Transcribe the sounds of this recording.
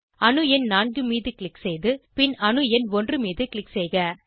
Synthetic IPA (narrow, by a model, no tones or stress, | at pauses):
ɐnɯɛnnaːnɡɯmiːðɯkɪɭɪkːsɛjðɯpɪnɐnɯɛnʋɔndrɯmiːðɯkɪɭɪksɛjɣɐ